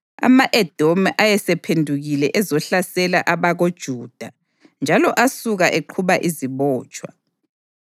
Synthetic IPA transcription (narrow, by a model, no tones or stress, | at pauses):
a̰maʔɛd̥ʱomʔajɛsɛpʰendʱuɣilɛʔɛzɔɬasɛlaʔaβaɣod̥ʒ̥ʱuːd̥ʱa | nd͡ʒʱalɔʔasuɣaʔeǃʰuβaʔiziβɔːt͡ʃʼwa̰